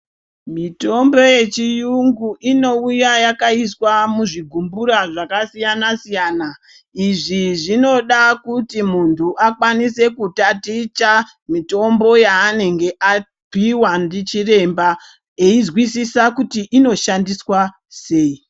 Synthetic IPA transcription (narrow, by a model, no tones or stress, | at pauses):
mito̞mbo̞je̞t͡ʃijuŋɡuʔino̞ujajakaiswamuʐiɡʱumbuɾaʐakasijanasijaːna | iʐiʐino̞ɗakutimuntʰuʔakwanise̞kutatit͡ʃa | mito̞mbo̞jaːne̞ŋɡe̞ʔa | piwandit͡ʃire̞mba | eizwisisakutiʔino̞ʃandiswa | se̞ːi